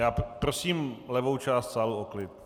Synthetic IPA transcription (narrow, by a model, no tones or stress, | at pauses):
jaːpɾosiːmlɛvo̞wt͡ʃaːst̪saːluʔoklɪt̪̚